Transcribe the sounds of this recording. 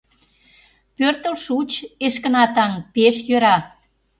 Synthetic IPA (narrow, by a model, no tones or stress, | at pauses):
pørt̪əlʃut͡ɕeʃkə̆nɑt̪ɑŋpeʃjøɾɑ